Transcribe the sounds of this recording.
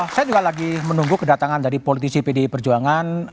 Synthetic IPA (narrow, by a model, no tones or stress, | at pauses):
sajad͡ʒuɡalaɡimənuŋɡukədat̪aŋandaɾipolit̪isipedepərd͡ʒuaŋan